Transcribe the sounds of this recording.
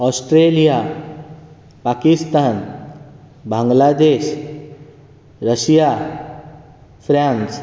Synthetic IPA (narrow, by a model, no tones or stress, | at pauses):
ɔsʈɾelija | pakist̪aːn | bʱãŋɡlad̪eʃ | ɾəsija | fʰɾans